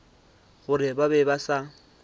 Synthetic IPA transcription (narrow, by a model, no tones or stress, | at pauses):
ɣʊɾɪbabɛbasa